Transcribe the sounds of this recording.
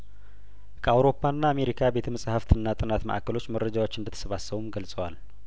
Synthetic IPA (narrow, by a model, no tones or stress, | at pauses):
kʰəawɾo̞pʰːanːaːme̞ɾikʰabe̞t̪ʰəməsʼhəft̪ʰɨnːat̪ʼɨnat̪mə̰ʔa̰kəlo̞t͡ʃːmərːəd͡ʒawo̞t͡ʃːɨnd̪ət̪ʰːə̥səβasːəβumɡəlsʼəwal